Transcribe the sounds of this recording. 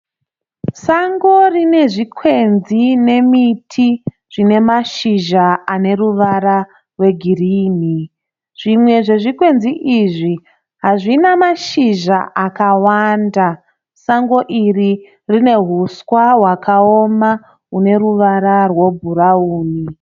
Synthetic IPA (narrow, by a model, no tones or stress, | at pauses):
saŋɡo̞rine̞ʐikʰwe̞nzine̞mitʰi | ʐ̥ine̞maʃiʒaane̞ruʋaɾa | rwe̞ɡʱiriːni | ʐ̥imwe̞ʐe̞ʐikwe̞nziʔiʐi | ɦaʐinamaʃiʒaʔakawaːnda | saŋɡo̞ʔiri | rine̞ɦuskwaɦwakʰaoma | une̞ɾuʋaɾarwo̞bʱurauːni